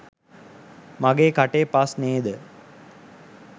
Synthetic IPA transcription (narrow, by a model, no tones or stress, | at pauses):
maɡeːkaʈeːpasneːd̪ə